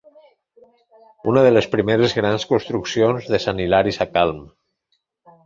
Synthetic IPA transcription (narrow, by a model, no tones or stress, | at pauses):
unəðelespɾimeɾezɣɾanskunst̪ɾuksionzðesanilaɾisakalˠm